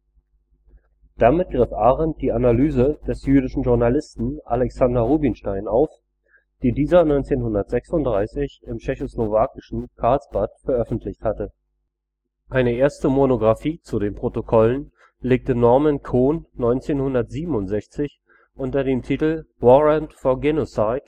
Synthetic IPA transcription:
d̥amɪt̚ɡ̥ʁɪfʔaːʁɛnt̚d̥iːanalyːzəd̥ɛsjyːɾɪʃn̩ʒʊɐnalɪstn̩ʔa̰lɛksandɐʁuːbɪnʃtaɪnaʊf | d̥iːdiːzɐnɔʏnt͡seːnhʊndɐtz̥ɛksʊntd̥ʁaɪsɪçɪmt͡ʃɛçoslovaːkɪ̥ʃn̩kʰaɐlsb̥atfɛɐʔœfn̩tʰlɪçthatə | ʔʔaɪnəʔeːɐstəmonoɡʁafiːt͡sudeːnpʁ̥otokʰɔlən | leːk̚tənɔɐmɛnkʰoːnːɔʏnt͡seːnhʊndɐtz̥iːbm̩ʊntz̥ɛçt͡sɪç | ʔʊntɐdeːmtʰiːtl̩wɔʁɛntfɔɐɡɛnosaɪt

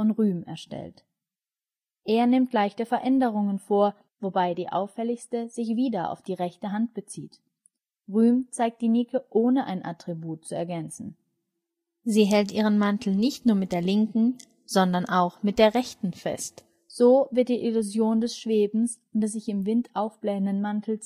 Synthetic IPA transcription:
fɔnʁyːmɛ̰ɐʃtɛ̰lt | ʔeːɐnɪmtlaɪçtəfɛɐʔɛndəʁ̞ʊŋənfoːɐ | vobaɪdiːʔa̰ʊfɛlɪçstəzɪçv̥iːdɐʔa̰ʊfd̥iːʁɛçtəɦant̚b̥ət͡sḭːt | ʁyːmt͡saɪk̚t̚d̥iːnɪkʰəʔoːnəʔa̰ɪnʔa̰tʁ̥ibuːt̚t͡suɛɐɡɛnt͡sn̩ | ziːɦɛltʔiːʁ̞ənmantʰl̩nɪçtnuːɐmɪt̚d̥eːɐlɪŋkŋ̩ | z̥ɔndɐnʔaʊxmɪt̚d̥eːɐʁɛçtn̩fɛ̰st | z̥oːvɪɐt̚d̥iːʔɪluzjoːndɛsʃv̥eːbm̩s | ndɛszɪçɪmvɪntʔaʊfb̥lɛːəndənmantʰl̩s

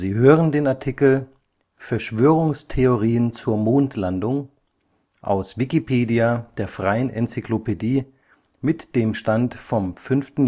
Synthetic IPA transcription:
ziːɦøːʁəndeːnaɐtʰikl̩ | fɛɐʃv̥øːʁ̞ʊŋstʰeoʁiːənt͡suːɐmoːntʰlandʊŋ | ʔa̰ʊsv̥ikipʰeːdiad̥eːɐfʁ̥aɪənʔɛnt͡siklopediː | mɪtd̥eːmʃtantfɔmfʏnftn̩

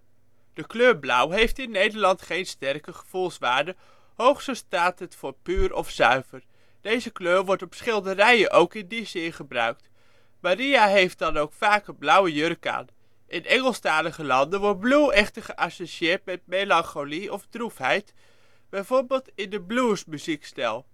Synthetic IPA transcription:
d̥əkløːɹblʌwɦejftɪnːejdəɹlɑntχejnstɛrkəχə̥v̥ulˠsʋaːɹdə | howχsəstaːtɦətfʊːɹpyːɹɔfsœɥv̥əɹ | d̥ejzəkløːʋɔɹtɔpsχɪlˠdərɛjəʔowkɪndizɪnχəbrœ̰ɥk̚t | marijaɦejft̚dɑnowkfaːkəblʌwəjørka̰ːn | ʔɪnʔɛŋəlˠstaːləχəlɑndənʋɔt̚bluwɛχtəɹχəʔasoʃiɪːɹtmɛtmejlɑŋχoliɔfdrufɦɛjt | b̥ɛjvoːɹbɪlˠtɪndəbluːɹsmyzikstɛlˠ

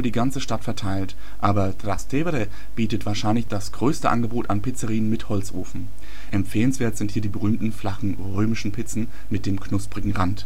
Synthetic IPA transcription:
diːɡant͡səʃtatfɛɐtʰaɪlt | ʔaːbɐdʁastʰevɾɛ | b̥iːtətv̥aːɐʃaɪnlɪçd̥asɡ̥ʁøːstəʔa̰nɡəboːtanpɪt͡səʁiːənmɪthɔlt͡sʔo̰ːfn̩ | ʔɛmfeːlənsv̥eːɐtz̥ɪnthiːɐdiːbəʁyːmtn̩flaχn̩ | ʁøːmɪʃn̩pʰɪt͡sn̩ | mɪt̚d̥eːmkʰnʊspʁ̥ɪɡŋ̩ʁant

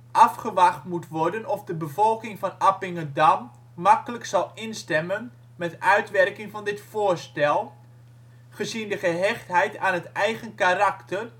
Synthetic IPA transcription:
ʔɑfχəʋaχtmutʋɔrdənɔfdəbəvɔlˠkɪŋvɑnapɪŋədamː | akələksɑlˠɪnstɛmən | mɛtœɥtʋɛrkɪŋvɑndɪtfoːrstɛlˠ | χəzindəχəɦɛχtɦɛjtaːnɦətɛjɣənkaraktər

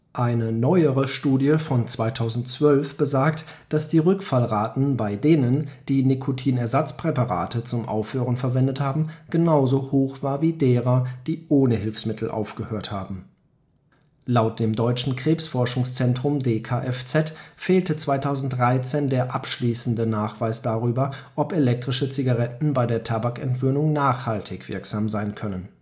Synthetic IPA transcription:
ʔaɪnənɔʏəʁəʃtuːdjəfɔnt͡sv̥aɪtʰaʊzn̩tt͡sv̥œlfb̥əzaːɐkt | d̥asd̥iːʁʏkfalʁaːtn̩baɪdeːnənd̥iːnikʰotʰiːnɛɐzat͡spʁ̥ɛpaʁa̰ːtət͡sʊmʔa̰ʊfhøːʁənfɛɐvɛndəthaːbm̩ɡ̥ənaʊzohoːxv̥aːɐviːdeːʁɐd̥iːʔoːnəɦɪlfsmɪtʰl̩ʔa̰ʊfɡ̥əhøːɐtha̰ːbm̩ | laʊt̚d̥eːmdɔʏt͡ʃn̩kʁ̥eːpsfɔɐʃʊŋst͡sɛntʁ̥ʊmdeːkʰaːʔɛft͡sɛtfeːltət͡sv̥aɪtʰaʊzn̩td̥ʁaɪt͡seːndeːɐʔapʃliːsn̩dənaːχv̥aɪsd̥aːʁyːbɐʔɔpelɛk̚tʁ̥ɪʃət͡siɡaʁɛtn̩baɪdeːɐtʰabakɛ̰ntv̥øːnʊŋnaːχhaltʰɪçv̥ɪ̰ɐkz̥aːmzaɪnkʰœnən

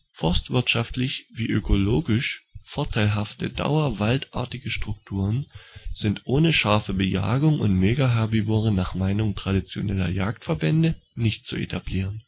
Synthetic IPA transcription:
fɔɐstv̥ɪɐtʃaftlɪçv̥iːʔøkʰoloːɡɪʃfɔɐtʰaɪlɦaftəda̰ʊɐvaltʔa̰ːɐtɪɡəʃtʁ̥ʊk̚tʰuːʁ̞ənz̥ɪntʔoːnəʃaɐfəbəja̰ːɡʊŋʔʊ̰ntmeːɡaɦɛɐbivoʁənaːχmaɪnʊŋtʁ̥adit͡sjo̰nɛlɐ̰jaːktfɛɐbɛndə | nɪçt̚t͡suḛtʰabliːʁ̞ən

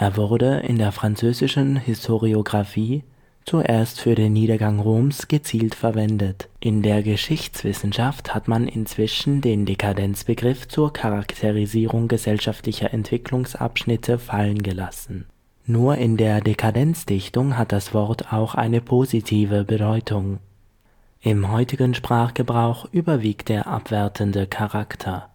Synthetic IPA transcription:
ʔeːɐvʊɐdəʔɪ̰ndeːɐfʁ̥ant͡søːzɪʃn̩hɪstʰoʁioɡʁafiː | t͡suʔeːɐstfyːɐɾeːnːiːɾɐɡaŋʁoːmsɡ̥ət͡siːltfɛɐvɛndətʔɪndeːɐɡəʃɪçt͡sv̥ɪsn̩ʃafthatmanɪ̰nt͡sv̥ɪʃn̩deːndekʰadɛnt͡sb̥əɡʁɪft͡suːɐkʰaʁaktʰeʁiziːʁʊŋɡəzɛlʃaftlɪçɐʔɛntv̥ɪklʊŋsʔa̰pʃnɪtʰəfalənɡəlasn̩ | nuːɐʔɪndeːɐdekʰadɛnt͡sd̥ɪçtʊŋɦat̚d̥asv̥ɔɐtʰaʊxʔa̰ɪnəpʰozitʰiːvəbədɔʏtʰʊŋ | ʔɪmɦɔʏtɪɡənʃpʁ̥aːχɡ̥əbʁaʊxʔyːbɐviːkt̚d̥eːɐʔa̰pv̥ɛɐtʰəndəkʰaʁaktʰɐ

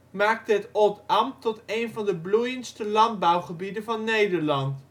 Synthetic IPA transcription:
maːk̚təɦətɔtɑmtɔtejnvɑndəblujənstəlɑnd̚bɑwχəbidəvɑnːejdəɹlɑnt

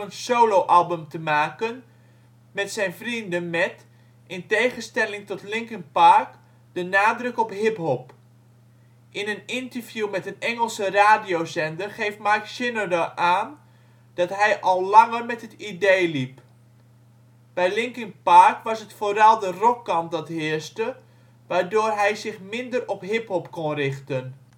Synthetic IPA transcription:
ənsowlowʔɑlˠbəmtəmaːkən | mɛtsɛjnvrindənmɛt | ʔɪntejχənstɛlɪŋtɔtlɪŋkənpaɹk | d̥ənaːdrɵkɔpɦɪpɦɔp | ʔɪnənɪntəɹvjumɛtənɛŋəlˠsəraːdijowzɛndərχejftmarkʃɪnədəʔaːn | d̥ɑtɦɛjʔɔlˠlɑŋərmɛtɦətideːlip | b̥ɛjlɪŋkɪnparkʋɑsətfoːɾɑlˠdərɔkːɑmp̚dɔtɦɪəstə | ʋaːɹdoːrɦɛjzɪxmɪndərɔpɦɪphɔpkonrɪχtən

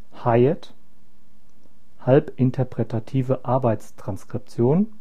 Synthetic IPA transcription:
haɪɛt | halpʔɪntʰəɐpʁ̥ɛtʰatʰiːvəʔaɐbaɪtt͡stʁ̥anskʁ̥ɪp̚t͡sjoːn

